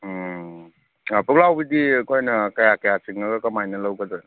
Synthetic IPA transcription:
puk̚lawbidikojnɐkɐjakɐjasiŋnɐɡɐkɐmajnɐlɐwkɐdɐ

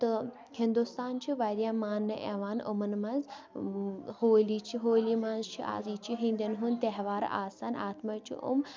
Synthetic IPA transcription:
t̪ɨ | hĩnd̪ust̪aːnt͡ʃʰiʋaɾʲjamaːnːɨʔḛʋaːnṵmɐnmɐnz | hoːliːt͡ʃʰiɦoːlimɐnzt͡ʃʰḭʔa̰ːziːt͡ʃʰiɦĩnd̪ʲɐnɦunt̪eɦʋaːɾ̰a̰ːsaːna̰ːt̪mat͡ʃʰḭʔṵm

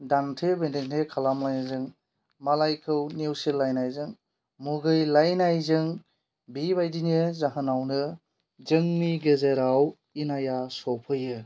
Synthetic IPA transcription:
dantʰebendentʰekʰalamlajnɯzɯŋ | malajkʰɯwnewselːajnajzɯŋ | muɡɯjlajnajzɯŋ | bibajdinjɯzaɦɯnawnɯ | zɯŋmiɡezeɾaw | inajasɔpʰɯjɯ

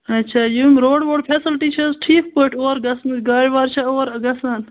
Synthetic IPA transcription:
ɐtːt͡ʃʰaːjuːmɾoːɖʋoːɖpʰeːsəlʈiːt͡ʃʰɐsʈʰiːk̚poːʈʰoːɾɡɐsnɡaːɾʲʋaːɾt͡ʃʰɐoːɾɐɡɐsɐn

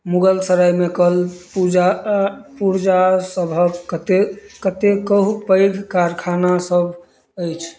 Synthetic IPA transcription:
muɡəlsəɾajmekəlpud͡ʒapuɾd͡ʒasəbʱət̪ekət̪ekəɦupəjɡʱkaɾkʰanasəbʱ | əjt͡ʃʰ

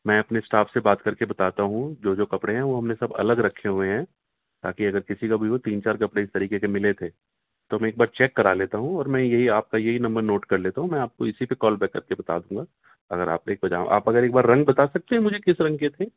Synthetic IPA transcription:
mɛ̃ːɐpnesʈaːpsebaːt̪kɐɾkebɐt̪aːt̪aɦũd͡ʒoːd͡ʒoːkɐpɽeɦɛ̃ʋoɦɐmnesɐbɐ̰ləɡɾɐkʰːeɦʊeɦɛ̃ | t̪a̰ːkiɐɡəɾkɪsikabʱiʋot̪iːnt͡ʃaːɾkɐpɽeɪst̪ɐɾiːkekemɪlet̪ʰeː | t̪omɛ̃eːk̚baːɾt͡ʃɛːkːɐɾaleːt̪aɦũɔːɾmɛ̃ːjɐɦiaːp̚kajɐɦinɐ̃mbəɾnoːʈkɐɾleːt̪aɦũmɛ̃aːp̚koɪsipekɔːlbɛːkːɐɾkebɐt̪a̰d̪ũːŋɡaː | ɐɡəɾa̰ːp̚neeːk̚bɐd͡ʒa̰ːʔa̰ːpɐɡəɾeːk̚baːɾːɐ̃ŋɡbɐt̪aːsɐk̚t̪eɦɛ̃mʊd͡ʒʱekɪsɾɐ̃ŋɡ̚ket̪ʰeː

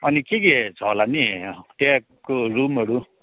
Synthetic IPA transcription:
ʌnikeɡed͡zʌlaniʈek | kːorumɦʌɾu

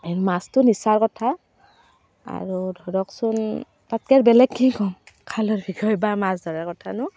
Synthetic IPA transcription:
eɹmastʊnisaɹkɔtʰa | a̰ɹudʱɔɹɔksɔn | patkaɹbɛlɛɡkĩkɔŋkʰalɔɹbʱiɡɔjbamasdaɹakɔtʰanʊ

